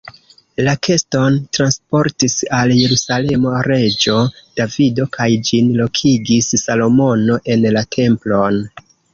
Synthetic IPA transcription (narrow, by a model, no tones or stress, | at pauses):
lakʰe̞sto̞ntɾanspo̞ɾtisalje̞ɾusale̞moɾe̞d͡ʒo̞d̥avido̞kajd͡ʒinlo̞kʰiɡissalo̞mo̞no̞ʔe̞nlatʰe̞mplo̞n